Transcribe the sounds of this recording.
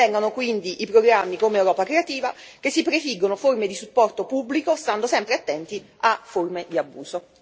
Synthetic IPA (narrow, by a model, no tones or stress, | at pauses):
ɛŋɡonokwind̪iʔːpɾoɡɾamːikomeːwɾɔːpakɾeat̪iːva | k̟esːipɾefiɡːonoformed̪isupːɔrt̪opubːlikost̪and̪osɛmpɾeat̪ːɛnt̪i | afːormed̪iabːuːso